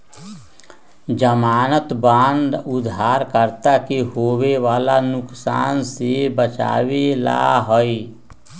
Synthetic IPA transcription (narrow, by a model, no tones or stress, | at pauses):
d͡ʒəmaːnət̪bãːnd̪ʊd̪ʱaːɾkəɾt̪akeɦoːweʋaːlanʊksaːnsebət͡ʃa̰ːwela̰ɦoi